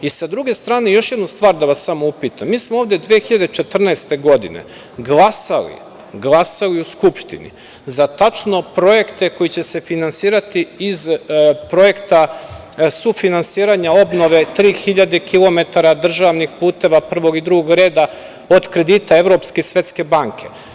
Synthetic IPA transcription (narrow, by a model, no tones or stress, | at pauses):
isad̪ɾuɡe̞st̪ɾaːnejo̞ʃje̞d̪nust̪ʋaːɾd̪aʋasːamoupiːt̪amːiːsmooːvd̪ed̪ʋeexiʎad̪et͡ʃe̞t̪r̩naest̪e̞ɡo̞d̪ḭnḛ | ɡlˠasa̰lḭ | ɡlˠasaliuskupʃt̪ḭnḭ | zat̪at͡ʃno̞pɾo̞je̞kt̪e̞ko̞jit͡ɕe̞se̞finansiːɾat̪iːzpɾo̞je̞kt̪a | sufinansiːɾaɲao̞bno̞ʋe̞t̪ɾiːxiʎad̪ekʰilˠo̞me̞t̪aɾad̪r̩ʒaʋnixpuːt̪e̞ʋapr̩ʋo̞ɡid̪ɾuɡoɡɾe̞ːd̪a | o̞d̪kɾe̞d̪iːt̪ae̞vɾo̞pskesʋe̞t̪ske̞baŋkʰe̞̰